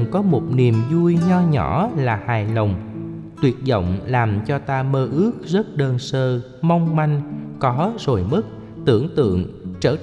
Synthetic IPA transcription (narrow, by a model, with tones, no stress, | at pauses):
kɔ˨˦mo˨˩t̚ni˨˩əmzu˧jɲɔ˧ɲɔ˧˩˦laː˨˩haː˨˩jlə˨˩wŋ͡m | t̪wi˨˩ət̚zə̰˧˨wŋ͡mlaː˨˩mt͡ɕɔ˧t̪aː˧məː˧ʔɨ˦˥ək̚zə˦˥t̚ɗəː˧nsəː˧ | mɔ˧wŋ͡mma˧jŋ̟kɔ˨˦zo˨˩jmɨ˦˥t̚ | t̪ɨ˧˩əŋt̪ɨ̰˧˨əŋt͡ɕəː˧˩